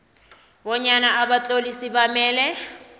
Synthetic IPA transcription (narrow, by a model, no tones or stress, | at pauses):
bɔɲanaːbat͡ɬʼolisibamɛːlɛ